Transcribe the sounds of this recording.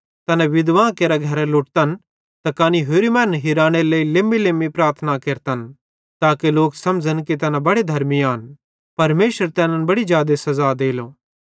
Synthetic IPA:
t̪ɐnɛ̃ʋɪd̪ʋãːkeːɾaɡʱɐɾalʊʈt̪ən | t̪ɐkaːniɦoːɾimɛ̃ːnɦiɾaːɽ̃eleilemːilemipɾaːɾt̪ʰnakeːɾt̪ən | t̪aːkeloːksɐ̃md͡ʒənkit̪ɐnɛ̃bɐɽed̪ʱɐɾmiaːn | pɐɾmeːʃəɾt̪ɛːnənbɐɽid͡ʒjaːd̪esɐzaːd̪eːloː

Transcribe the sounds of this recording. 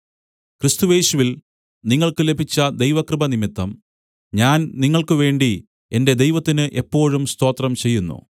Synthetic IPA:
krɨst̪uje̞ːɕuʋil | niŋːɐɭkɨle̞bʱit͡ɕːɐd̪e̞jʋɐkrɨbɐnimit̪ːɐm | ɲaːnniŋːɐɭkɨʋe̞ːɳɖi | e̞nde̞d̪e̞jʋɐt̪ːinɨʔe̞pːo̞ːɻumst̪o̞ːt̪rɐmt͡ɕe̞jːunːṵ

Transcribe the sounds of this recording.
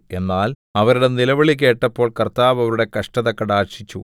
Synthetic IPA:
e̞nːaːl | ɐʋɐɾuɽe̞nilɐʋɐɭik̬e̞ːʈːɐpːo̞ːɭkɐrt̪aːʋɐʋɐɾuɽe̞kɐʂʈɐðɐkːɐɽaːrɕit͡ɕːu

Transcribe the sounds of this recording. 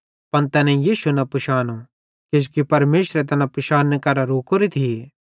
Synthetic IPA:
pɐnt̪ɛːnɛ̃jiːʃunɐpʊʃaːno | ked͡ʒkipɐɾmeːʃɾɛt̪ɐnãpʊʃaːnːekɐɾaɾoːkʰoɾit̪ʰie

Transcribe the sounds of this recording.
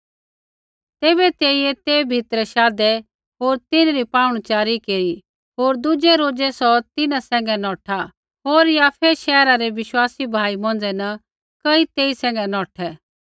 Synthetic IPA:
t̪eːbɛt̪eːiet̪eːbʱɪt̪ɾɛʃaːd̪ɛ | ɦoːɾt̪ɪnɾipãːʊɽ̃ut͡ʃaːɾikeːɾi | ɦoːɾd̪ʊd͡ʒɛɾoːd͡ʒɛsɔt̪ɪnasɛ̃ːŋ̆ɡɛnɔːʈʰa | ɦoːɾjaːpʰɛʃɛːɾaɾɛʋɪʃwaːsibʱaːimɔ̃n̆d͡zɛnɐ | kəit̪eːisɛ̃ːŋɡɛnɔːʈʰɛ

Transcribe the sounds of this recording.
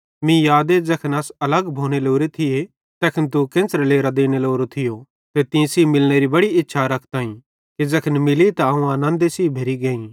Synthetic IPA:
mĩjaːd̪ed͡zɐkʰənɐsɐləɡbʱoːɽ̃eloːɾet̪ʰɪje | t̪ɛːkʰənt̪̬ukẽːsɾeleːɾad̪eːñeloːɾot̪ʰɪjo | t̪et̪ĩsiːmɪlñeɾibɐɽiɪtːʃʰaɾɐkʰt̪aːĩ | ked͡zɐkʰənmɪlit̪aɐũaːnãnd̪esiːbʱeɾiɡeːĩ

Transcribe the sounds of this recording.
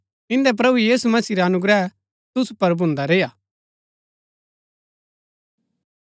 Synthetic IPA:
ɪ̃nd̪ɛp̬ɾɐbujiːsumɐsiːɾaɐnʊɡɾɛ | t̪ʊsupɐɾbʱʊ̃nd̪aɾeːjaː

